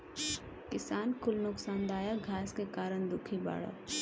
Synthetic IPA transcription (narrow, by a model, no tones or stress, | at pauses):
kɪsaːnkʰʊlnʊksaːnd̪aːjaɡʱaːskekaːɾəɳd̪ʊkʰiba̰ːɽa̰